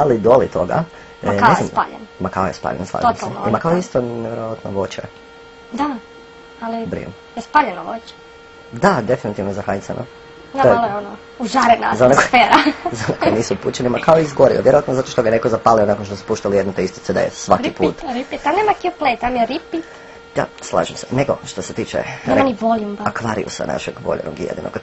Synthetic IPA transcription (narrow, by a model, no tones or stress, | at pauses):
alid̪olit̪ʰo̞ɡa̰ | naesj̪mspa̰ʎḛnmakaojespa̰ʎḛnspa̰t̪nsalnoimakaoist̪oneʋjeɾoʋat̪noʋot͡ʃḛ | d̪a | alibɾḭ | jespaːʎenoʋo̰t͡ɕe̥ | d̪ad̪e̞finit̪iʋnozaxajt̪sa̰nʔo̰ | naojalojeono | uʒaɾena̰ːzaonekofeːɾazaonekoniːsuuput͡ɕenimakʰaoizɡoɾḭoʋjeɾoʋat̪nozat̪oʃt̪oɡanekozapaːlionakonʃt̪osu̥puʃt̪alijed̪not̪eist̪it̪sed̪a̰jesʋakipṵːt̪ɾipit̪amneːmakiuplet̪amjeɾipi | d̪̥a̰slˠa̰ːʒemsene̞ɡo̞ʃt̪oset̪iːt͡ʃḛɾaniʋoljumbaakʋaːɾḭṵsa̰na̰ʃeɡʋo̰ʎḛno̰ɡjḛd̪ḭnoɡ̥